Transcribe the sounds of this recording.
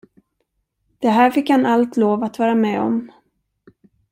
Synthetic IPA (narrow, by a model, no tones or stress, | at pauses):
d̪̥ɛɦæːɾfɪkːhanalt̪loːvat̪vɑːɾamɛːɔ̰m